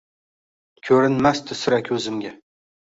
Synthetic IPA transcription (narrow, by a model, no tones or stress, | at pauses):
kʲʰɵɾɪnmast̪ɪsʊɾakʲʰɵzɪmɡʲa